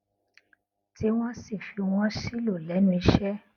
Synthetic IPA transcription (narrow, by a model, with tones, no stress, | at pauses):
ti˨˦w̃ɔ̃˦si˦˨fi˨˧w̃ɔ̃˦ʃi˦lo˦˨lɛ˨˦nũ˦˧i˧˦ʃɛ˦